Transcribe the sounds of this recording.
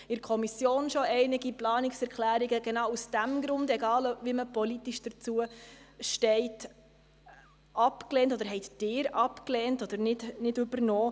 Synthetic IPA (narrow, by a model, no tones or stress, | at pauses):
ɪɾkʰɔmisjoːnʃoɛɪnɪɡiplɑːnɪksɛɾkχlæːɾiɡəɡ̥enɑʊwusd̥æmɡɾʊndɛɡɑːlviməpɔlit̪iʃd̥əɾt͡suəʃtɛɪt | ɑpkleːntɔd̪əɾɦɛɪt̪d̥ɪːɾɑpklɛːntɔd̪əɾnɪdnɪdʉbəɾnoː